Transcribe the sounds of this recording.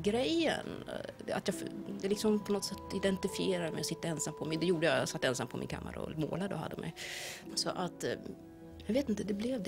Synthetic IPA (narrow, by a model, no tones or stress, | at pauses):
ɡɾɛjːə̰na̰t̪jɑːd̪ɛlɪksɔmpʰɔnɔt̪sɛt̪ːɪd̪ɛnt̪ɪfɪeːɾad̪əmɛjɔsɪt̪ːaɛnsampʰɔmɪd̪ɛjuːɖəjɑsat̪ːɛnsampʰɔmʔɪ̰nkʰa̰mːa̰ɾa̰ɔ̰mo̰ːlad̪əɔha̰d̪ːə̰mɛ̰jsɔʔat̪ | javeːt̪ɪnt̪əd̪ɛblɛvd̪